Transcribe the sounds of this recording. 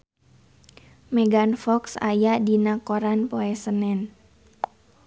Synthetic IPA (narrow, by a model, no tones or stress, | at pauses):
mɛɡanfɔksa̰jadinakɔɾanpoɛsənɛn